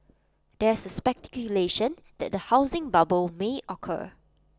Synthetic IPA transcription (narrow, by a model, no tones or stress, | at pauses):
dɛɪsəspɛk̚tɛ̥kjuleʃə̃n | dɛ̰t̚dəhaʊzɪ̃ŋbabəlmeʔɔkʰə̰